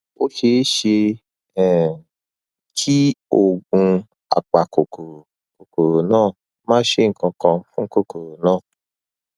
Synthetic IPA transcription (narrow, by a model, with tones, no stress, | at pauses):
o˦ʃe˦ʃe˧ | ɛ˨ | kʰi˦o˨ɡũ˧ | a̰˨k͡pa˨ko˨ko˨ɾ | ko˨ko˨ɾo˨nãː˦˨ | mãː˦ʃe˦ŋ̩˨kɔ̃˧kɔ̃˧fũ˦ŋ̩˦ko˦ko˨ɾo˨nãː˦˨